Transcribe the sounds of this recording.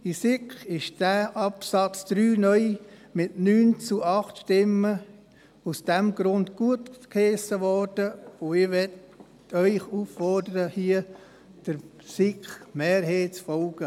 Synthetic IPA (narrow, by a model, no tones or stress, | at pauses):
isɪkχɪʃd̥æːʔɑpsɑt͡sd̪̥ɾyːnœʏmɪtnyːnt͡suʔɑχtʃtɪmə | usd̥ɛmɡɾʊndɡ̥uətkʰeːsəʋɔrd̥əoɪʋɛt | œʏχuːfːɔrdəɾəhiə | d̥əɾ | sɪkχmeːɾɦeːt͡sfɔlɡ̥ə